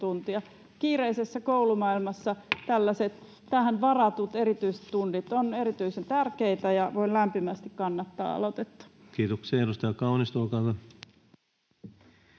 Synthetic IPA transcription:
unt̪iɑ | kiːreisesːækoulumɑilmɑsːɑt̪ælːæset̪ | t̪æɦænʋɑrɑt̪ut̪erit̪yise̥t̪t̪unːit̪oneɾit̪yisent̪ærkeit̪æjɑʋoinlæmpimæst̪ikkɑnːɑt̪ːɑ̰ːɑ̰lot̪et̪ːɑ̥kiːt̪okseːeɾust̪ɑjɑkɑunist̪uːkɑlt̪ɑ

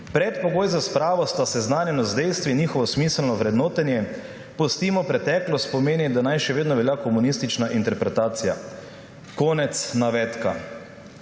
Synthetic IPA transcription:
pɾɛt̪pɔɡoːjzaspɾaːʋɔst̪asɛznaːnjɛnɔzd̪ɛjst̪ʋinɲiːxɔʋɔsmiːsəlnɔʋɾɛd̪noːt̪ɛnjɛ | pɔst̪iːmɔpɾɛt̪ɛklɔst̪̚pɔmeːnid̪anajʃɛʋeːd̪nɔʋɛljakɔmunist̪it͡ʃnaʔint̪ɛɾpɾɛt̪aːt̪sija | koːnɛt̪snaʋɛt̪ka̰

